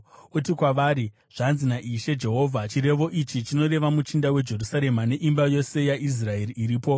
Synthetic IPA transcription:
utikwaʋaːɾi | ʐ̥anzinaʔiʃe̞d͡ʒe̞ɦo̞ːvʱat͡ʃiɾe̞ʋo̞ʔit͡ʃit͡ʃino̞ɾe̞ʋamut͡ʃindawe̞d͡ʒe̞rusaɾe̞mane̞ʔimbajo̞se̞jaʔis̬rae̞riːɾiːpo̞

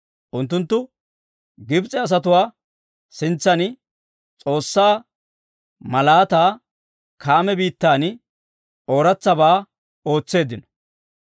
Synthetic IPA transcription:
ʔʊnt̪̬ːʊnt̪ːʊ | ɡɪbt͡sʼɛɐs̬ɐt̪ʊwaː | sɪnt͡sːɐnɪ | t͡sʼo̞ːsːaː | mɐlaːt̪aː | kʰaːmɛbiːt̪ːaːnɪ | ʔo̞ːɾɐt͡sːɐbaː | o̞ːt͡sːe̞ːd̪ɪnɔ̥

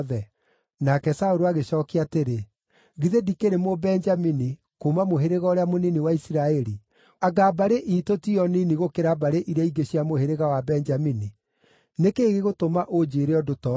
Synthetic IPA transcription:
ðɛ | nakɛsaoɾoaɣeɕɔːkiateɾe | ɣiðedikeɾemobɛnd͡ʒamini | komamoɦeɾeɣɔɾeamoniniwaisiɾaɛɾi | aɡabaɾeʔitotiɔniniɣokeɾabaɾeʔiɾaiɡeɕiamoheɾeɣawabɛnd͡ʒamini | nekeːɣeɣotomaʔod͡ʒeːɾeɔdotɔ

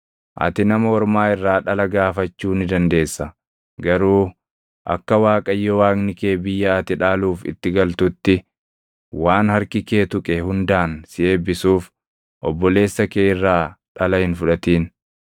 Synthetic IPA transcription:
ʔɐ̰t̪ɪnɐmɐɔɾmaːɪrːaːᶑɐlɐɡaːfɐt͡ʃːuːnɪd̪ɐnd̪e̞ːsːɐ | ɡɐɾuː | ʔɐ̰kːɐwaːkʼɐjːɔwaːknɪkeːbɪjːɐɐt̪ɪᶑaːluːfɪ̰t̪ːɪɡɐlt̪ʊt̪ːɪ | waːnhɐɾkɪkeːt̪ʊkʼɛhʊnd̪aːnsɪʔe̞ːbːɪsuːf | ʔɔbːɔle̞ːsːɐkeːɪrːaːᶑɐlɐhɪnfʊᶑɐt̪iːn

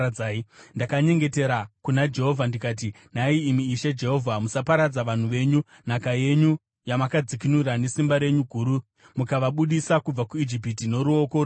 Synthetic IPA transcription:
aːindakaɲe̞ŋɡe̞te̞ɾakunad͡ʒe̞ɦo̞vʱandikaːt̬i | n̤aiːmiːʃed͡ʒe̞ɦo̞vʱamusapaɾad͡zaʋan̤uʋe̞ɲu | n̤akaje̞ɲu | jamakad͡zikinuɾane̞simbaɾe̞ɲuɡʱuːɾu | mukaʋaɓuɗisakub͡vakuid͡ʒip̬itino̞ɾuo̞ko̞ɾ

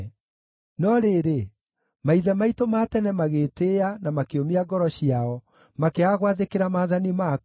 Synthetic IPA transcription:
nɔɾeɾe | maiðɛmaitomatɛnɛmaɣeːteanamakeomiaɡɔɾɔɕiaɔ | makeaɣwaðekeɾamaːðanima

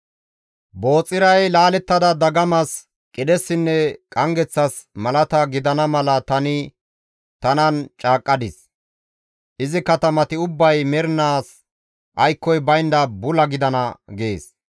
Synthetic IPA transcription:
bo̞ːt͡sʼːɪɾɐjlaːlɛt̪ːɐd̪ɐd̪ɐɡɐmɐs | kʼɪd̪ɛsːɪnːɛkʼɐŋɡɛt͡sːɐs | mɐlɐt̪ɐɡɪd̪ɐnɐmɐlɐt̪ɐnɪ | t̪ɐnɐnt͡ʃʼaːkʼːɐd̪ɪs | ʔɪzɪkɐt̪ɐmɐt̪ɪʊbːɐjmɛɾnaːs | ʔɐjkːɔjbɐjnd̪ɐbʊlɐɡɪd̪ɐnɐɡeːs

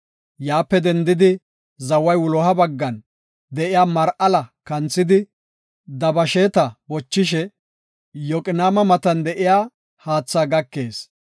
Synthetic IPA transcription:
jaːpːɛd̪ɛnd̪ɪd̪ɪ | zɐwɐjwʊlɔːhɐbɐɡːɐn | d̪ɛʔɪjaːmɐɾʔɐlɐkɐnt͡sːɪd̪ɪ | d̪ɐbɐʃeːt̪ɐbɔt͡ʃːɪʃɛ | jɔkʼɪnaːmɐmɐt̪ɐnd̪ɛʔɪjaː | haːt͡sːaːɡɐkːe̞ːs

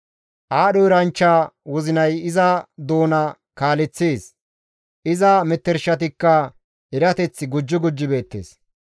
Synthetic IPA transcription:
ʔaːɗɔɪɾɐnt͡ʃːaːwɔzɪnɐjɪzɐd̪o̞ːnɐ | kaːlɛt͡sːeːs | ʔɪzɐmɛt̪ːɛɾʃɐt̪̬ɪkːɐ | ɛɾɐt̪ɛt͡sːɪɡʊd͡ʒːɔɡʊd͡ʒːɪbe̞ːt̪ːḛːs

